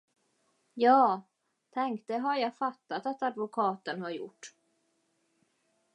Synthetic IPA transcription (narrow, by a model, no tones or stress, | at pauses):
jɑː | t̪ʰɛŋkt̪ɛɦaɾjaɡfat̪ːat̪at̪ad̪vʊkʰɑːt̪ənhaɾjʊ̰ʈː